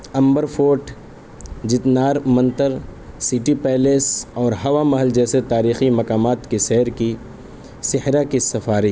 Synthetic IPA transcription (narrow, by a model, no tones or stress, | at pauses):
ɐ̃mbəɾfʰoːʈ | d͡ʒɪt̪naːɾmɐ̃nt̪əɾ | sɪʈipɛːleːsɔːɾɦɐʋamɐɦəld͡ʒɛːset̪aːɾiːximɐkaːmaːt̪kisɛɦɾki | sɪhɾakisɐfaːɾiː